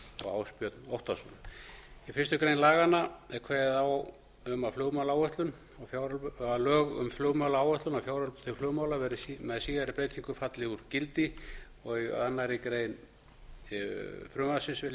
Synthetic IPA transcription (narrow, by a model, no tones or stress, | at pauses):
ɔ̰ɣa̰wspjœt̪nowht̪asɔnifɪrst̪ʏkɾejnlaːɣanːaɛkʰvɛːðaw | ʏmaflʏːɣmawlaawœht̪lʏn | afjawɾlalœːɣʏ̰mflʏːɣmawlaawœht̪lʏnawfjaːwɾalpt̪ʰɪflʏːwmawlavɛɾɪimɛðsiːðaɾɪpɾejt̪ʰiŋkʏfat̪lɪuɾcɪlt̪ɪ | ɔɣianːaɾɪkɾeːjn | fɾʏːmasɪnsvɪl